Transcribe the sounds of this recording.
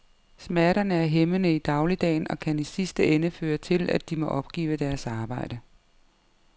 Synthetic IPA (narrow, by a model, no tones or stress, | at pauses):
smæɐɾɐnəæɐɦemənəid̥ɑ̈ʊlid̥ɛ̰ːnɒ̽kʰænisisd̥əenəføːɐt͡sʰe̝læd̥imɒ̽ʔɒ̽b̥ɡ̥ḭːʊd̥æɐsɑ̈ːb̥ɑ̈ɪ̰d̥ə